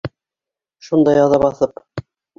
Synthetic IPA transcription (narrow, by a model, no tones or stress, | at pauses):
ʃund̪ɑjɑðɑβɑθɤp